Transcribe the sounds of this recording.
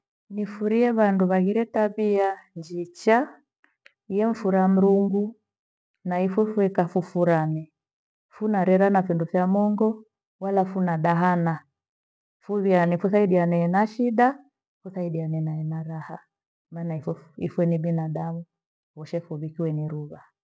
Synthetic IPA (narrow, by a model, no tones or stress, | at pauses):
nifuɾiɛβanduβaɣiɾɛtaβiaɲd͡ʒit͡ʃa | jɛɱ̩fuɾam̩ɾuŋɡu | naifwɛfwɛkafufuɾanɛ | funaɾɛɾanafindufjamɔŋɡɔ | walafunaɗaɦana | fuβianifuθaiɗianɛɛnaʃiɗa | fuθaiɗianɛnaɛnaɾaha | manaifḭfwɛnibinaɗamu | wɔʃɛfuβikiwɛniɾuβa